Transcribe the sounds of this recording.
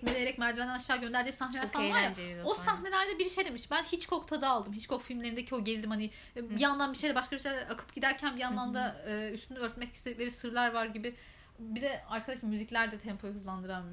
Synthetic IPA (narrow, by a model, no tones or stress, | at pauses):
melʲejeɾɛcmæɾd̪ilʲɛenænaʃːaːɟø̞nd̪æɾd̪iːsahnelʲæɾɾfalanvaɾjaosaɦne̞lʲæɾd̪ɛbiɾʃe̞jd̪emiʃbænhit͡ʃkʰo̞kt̪ʰad̪aːlˠd̪ɯmɦit͡ʃkʰo̞kfilʲmlʲeɾind̪ecʰio̞ɟelʲid̪imhani | bijanlˠanbiʃejd̪ɛbaʃkabiʃelʲɛɛakʰɯ̥pɟid̪æɾcʰænbianlˠand̪aɯːyst̪ʰynyøɾt̪mɛcʰist̪ʰed̪iclʲeɾisɯɾlˠaɾvaɾɟibɪ | bid̪ɛaɾkʰad̪aʃlˠamyziclʲæɾd̪ɛt̪ʰɛmpʰojuɦɯzlˠand̪ɯɾa